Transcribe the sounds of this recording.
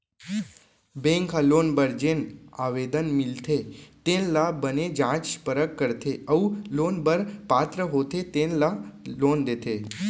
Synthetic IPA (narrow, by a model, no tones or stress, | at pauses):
bẽŋkalonbəɾd͡ʒenaʋed̪ənmilt̪ʰet̪enlabəned͡ʒãt͡ʃpəɾəkːəɾt̪ʰeəũlonbəɾpat̪ɾəɦot̪ʰet̪enlalond̪et̪ʰe